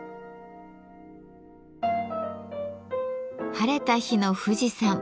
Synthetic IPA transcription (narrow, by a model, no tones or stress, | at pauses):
haɾe̞t̪açino̞ɸɯ̟ʑisãŋ